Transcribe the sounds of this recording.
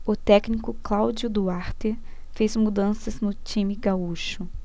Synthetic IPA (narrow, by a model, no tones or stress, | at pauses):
ʊt̪ɛknikʊklawd͡ʒjʊd̪uaɾt̪e | fezmud̪ɐ̃sɐznʊt͡ʃĩmɪɡauʃʊ